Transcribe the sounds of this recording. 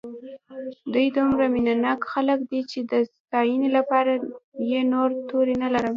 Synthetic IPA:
d̪ujd̪umɾaminanɑkxaləkd̪it͡ʃed̪əst̪ɑjənelapɑɾajenoɾt̪oɾenalaɾəm

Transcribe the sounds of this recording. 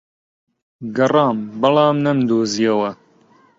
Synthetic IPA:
ɡɐrɑːmbɨlɑːmnɐmd̪oːzijɐwɐ

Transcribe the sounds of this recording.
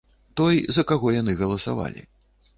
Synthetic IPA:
t̪ɔjzɐkaɣɔjanɨɣɐlˠɐsa̰va̰lʲḭ

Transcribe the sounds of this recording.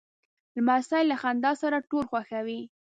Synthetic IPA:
lmasajlaxand̪ɑsaɾaʈolxwaxawi

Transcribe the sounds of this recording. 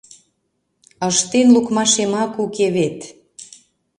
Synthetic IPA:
əʃt̪enlukmɑʃemɑkukeβet̪

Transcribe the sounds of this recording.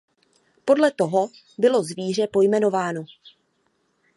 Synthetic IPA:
po̞dlɛt̪o̞ɦo̞ | bɪlo̞zviːr̝ɛpo̞jmɛno̞vaːno

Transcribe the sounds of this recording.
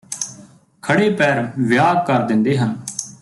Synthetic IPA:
kʰəɽeːpɛːɾʋjaːɡ̚kəɾd̪ɪ̃nd̪eːɦən

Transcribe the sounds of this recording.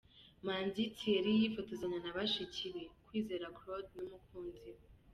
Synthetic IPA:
maːnzitʰieɾijifotozaɲanaβaʃicʰiɾekwiːze̞ɾakɾodnumukuːnzi

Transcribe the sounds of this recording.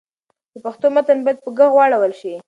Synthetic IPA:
d̪əpaxt̪omat̪anbajad̪̚pəɡəɣwɑɽawəlʃi

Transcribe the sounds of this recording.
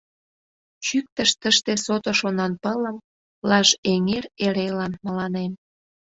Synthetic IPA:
t͡ɕyk̚t̪əʃt̪əʃt̪esot̪oʃonɑnpələm | lɑʃeŋereɾelɑnməlɑnem

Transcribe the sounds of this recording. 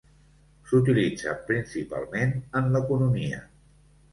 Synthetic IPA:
sut̪̬ilid͡zə̰pɾinsipa̰lˠmenənləkunumiə̰

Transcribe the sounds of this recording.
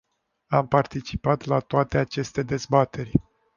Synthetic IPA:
ampart̪it͡ʃipat̪lat̪oat̪e̞at͡ʃe̞st̪e̞d̪e̞zbat̪e̞rʲ

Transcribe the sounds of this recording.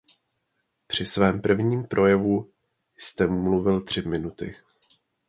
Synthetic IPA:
pr̝̥ɪsvɛːmpr̩vɲiːmpɾʔo̞jɛvu | jst̪ɛmmluvɪlt̪r̝̥ɪmɪnut̪ɪ

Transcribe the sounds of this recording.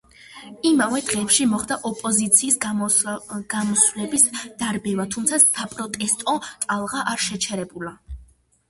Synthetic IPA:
imavɛd̪̥ʁɛːpʃimɔχd̪aʔɔpʼɔzit̪sʰiːs | ɡ̥amɔswlɛbisd̪̥aɾbɛvat̪ʰumt̪sʰasapʼɾɔt̪ʼɛst̪ʼɔt̪ʼalˠʁaʔaɾʃɛt͡ʃʰɛɾɛbula

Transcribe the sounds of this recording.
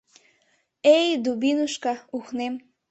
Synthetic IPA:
ejd̪ubinuʃkɑuxnem

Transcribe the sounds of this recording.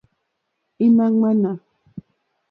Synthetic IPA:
ɪmaŋmana

